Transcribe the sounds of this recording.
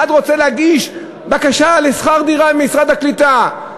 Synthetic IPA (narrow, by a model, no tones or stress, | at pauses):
ad̪ʁo̞t͡selehaɡiʃ | bakaʃalesχaʁd̪iʁabemmisʁad̪haklit̪a